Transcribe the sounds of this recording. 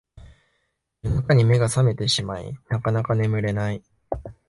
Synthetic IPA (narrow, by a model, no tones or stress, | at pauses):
ɯnakaɲ̟ime̞ɡasame̞t̪e̞ɕimaḭnakanakane̞mɯ̟ɾe̞nai